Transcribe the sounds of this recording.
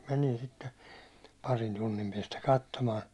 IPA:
menin sitːe pɑrin tunːim piɛstæ kɑtːomɑːn

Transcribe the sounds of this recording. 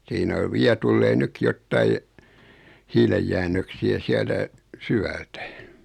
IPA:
siːnæ o ʋiæ tulːeː nykːi jotːɑi hiːlejːænːøksiæ siæltæ sywæltæ

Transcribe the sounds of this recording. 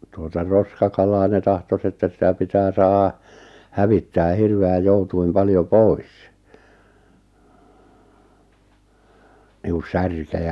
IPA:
tuotɑ roskɑkɑlɑː ne tɑhtos etːæ sitæ pitæː sɑːhɑ hæʋitːæː hirʋeæj joutuim pɑljo pois niːk̆ŭs̆ særkejæ

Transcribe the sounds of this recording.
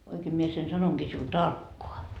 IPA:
oikeː mie sen sɑnoŋɡ̊iː siul tɑrkːoɑ

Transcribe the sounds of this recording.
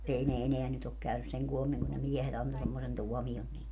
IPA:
ei ne eneæ nyt ok kæynys seŋ kuomiŋ kun ne miehet ɑnto semːosen tuɔmion niːlːe

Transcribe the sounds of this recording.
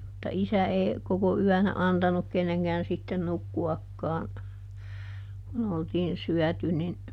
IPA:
mutːɑ isæ eː koko yænæ ɑntɑnuk kenːeŋkæːn sitːen nukːuɑkːɑ̃ː kun oltiːn syœˑty nin

